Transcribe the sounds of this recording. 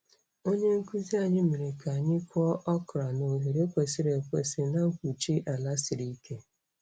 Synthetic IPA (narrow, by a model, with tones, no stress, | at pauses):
o˦ɲe˦ŋ̩˦ku˦zi˦a˨ɲɪ˦mi˨ɾe˨ka˨ɲɪ˦kʷɔ˦ʔɔ˦kɾa˨no˨ɦe˨ɾe˦kʷe˨si˦ɾe˨kʷe˨sɪ˨na˦ŋ̩˦kʷu˨t͡ʃi˦ʔa˨la˦sɪ˨ɾi˦ke˦